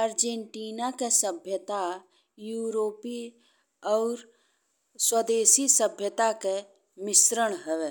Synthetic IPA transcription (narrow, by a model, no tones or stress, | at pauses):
əɾd͡ʒẽɳʈiːnakesəbʱjət̪a | juːɾoːpi | ɔːɾ | swəd̪eːsisəbʱjət̪ake | mɪsɾəɽ̃ɦɛʋe